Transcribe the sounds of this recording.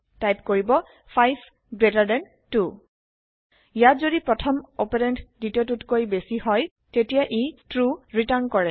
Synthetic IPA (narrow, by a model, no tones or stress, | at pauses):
tajp̚koɹibɔ | pʰajb | ɡɹetaɹdɛn | tu | ijatzodipɹɔtʰɔmopɛɹɛntditotutkojbesihɔj | tetijaʔetɹuɹitaɹnkɔɹɛ